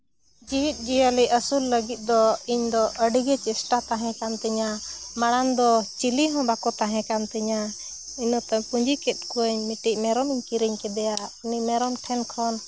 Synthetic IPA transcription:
d͡ʒiɦit̪̚ˀd͡ʒijəliʔəsulːəɡit̪̚ˀd̪ɔiɲd̪ɔəɖiɡɛt͡ʃɛsʈat̪aɦɛ̃kant̪ɛɲa | maɽand̪ɔt͡ʃiliɦɔ̃bakɔt̪aɦɛ̃kant̪ɛɲa | iɲɔt̪apuɲd͡ʒikɛt̪̚kuəɲmiʈiʔ̚mɛɾɔmiɲkiɾiɲkɛd̪ɛjainimɛɾɔmʈʰɛnkʰɔn

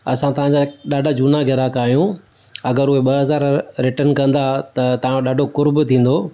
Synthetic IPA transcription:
ɐsãt̪ɐʋ̤ãɲd͡ʑaɗaːɖʱad͡ʑuːnaɡʱɪɾakaːɦijũ | ɐɡəɾʊɦeɓɐɦɐzaːɾɾɪʈənkɐ̃nd̪at̪ɐt̪ɐʋãɗaːɖʱokʊɾbʊt̪ʰĩːn̆d̪oː

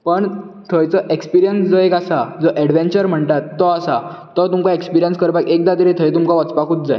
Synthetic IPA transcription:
pəɳ | t̪ʰəjt͡səʔekspiɾijənsd͡zɔekasad͡zɔʔɛɽʋẽnt͡ɕəɾm̤əɳt̪at̪ːɔasaː | ɔt̪umkaekspiɾijənskəɾpakek̚d̪at̪əɾit̪ʰəjt̪umkaʋat͡spakuːt̪̚d͡zaj

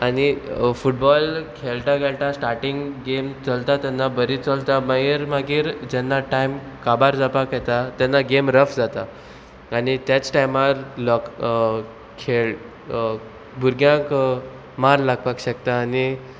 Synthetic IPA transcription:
anifuʈ̚bɔlkʰeɭʈãkeɭʈ̪ãsʈaɾʈiŋɡɡemt͡səlt̪at̪janːabəɾit͡səlt̪aməiɾmaɡiːɾd͡ʑɛnːaʈajm | kabaɾd͡zapakjɛt̪at̪jɛnːaɡemɾəfd͡zat̪a | anit̪jat͡sʈajmaɾlɔk | kʰeɭ | bʱuɾɡʱjãk | maɾlaɡ̚pakɕəkt̪aːni

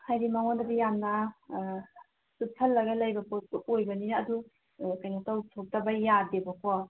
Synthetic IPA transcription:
hajɾimaŋɔndabijamna | supʰalːɐɡalajbapuojbɐninːdu | kajnataw̚tʰɔk̚tabajadebakʰɔ

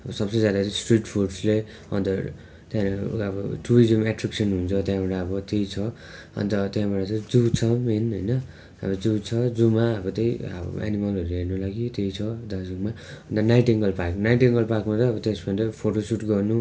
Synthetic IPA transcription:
ʌbʌsʌbsʌd͡zad̪at͡sʌ̃sʈriʈpʰorɖsle | ʌ̰nt̪ʌ | t̪jãʌbʌʈuɾizʌmaʈraksʌnɦunt͡sʰʌt̪jãbʌʈaʌbʌt̪ejt͡sʰʌ | ʌ̰nt̪ʌt̪jãbaɽʌt͡sʌd͡zut͡sʰʌɦenɦojnʌ | a̰bʌd͡zut͡sʰʌd͡zumaʌbʌt̪ʌj̰a̰nimʌlʌɾuɦernʌlaɡit̪ejt͡sʰʌd̪asʌkma | ʌnt̪ʌnajʈeŋɡʌlpakunajʈeŋɡʌlpakumat̪ʌʌbʌt̪esbʌnʈʌpʰoʈosuʈɡʌrnu

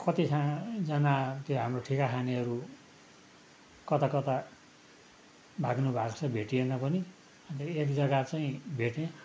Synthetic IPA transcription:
kʌt̪isʰãd͡zʌnat̪joɦamroʈʰikakʰaniʌɾu | kʌt̪akʌt̪a | bʱaɡnubʱakt͡sʰʌbʱeʈienʌpʌni | ʌnt̪eekd͡zʌɡat͡saĩbʱeʈẽ

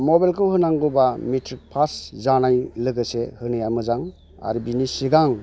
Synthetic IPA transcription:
mɔbalkʰɯwhɯnaŋɡubamitʰɾik̚pʰaszanajlɯɡɯsehɯnɯjamɯzaŋ | a̰ɾibinisiɡaŋ

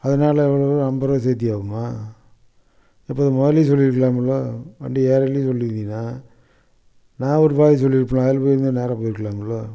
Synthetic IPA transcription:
ɐðɐnaːlɐɛʋːɐɭoɐmbɐɾɐs̬eːt̪̬ːɪjaːʋɯmaː | ɪpːoːðɯmɔðɐlisɔlːɪɾɯkːɐɭaːmɐɭːoʋɐ̰ɳɖieːɾɐlːisɔlːɪɾɯnd̪inːaː | nãːɔɾɯpaːis̬ɔlːɪɾɯpːɐɭãːɐlpoːjɪɾɯnd̪ɯneːɾɐpoːjɪɾɯkːɐɭaːmɡɐɭːoː

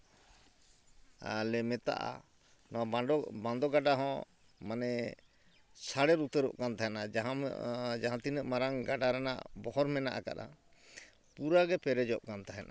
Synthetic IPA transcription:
a̰lɛmɛt̪a̰ʔa̰ | nɔabãnd̪ɔɡaɖaɦɔ̃ | manɛ | saɽɛɾut̪əɾɔ̰ʔkant̪aɦɛnad͡ʒaɦãd͡ʒaɦãt̪inəʔmaɾaŋɡaɖaɾɛna̰ʔbɔɦɔɾmɛna̰ʔa̰ka̰ɗa̰ | puɾaɡɛpɛɾɛd͡ʒɔʔkant̪aɦɛnʔa̰

